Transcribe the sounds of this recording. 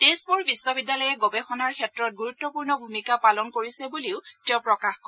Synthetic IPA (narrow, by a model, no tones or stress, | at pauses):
tespuɹbisːɔbidːjalɔjɛɡɔbɛxɔnaɹkʰɛtɹɔt̚ɡuɹutːɔpuɹnɔbʱumikapalɔnkoɹisɛbuliʊtɛpɹɔkaxkɔ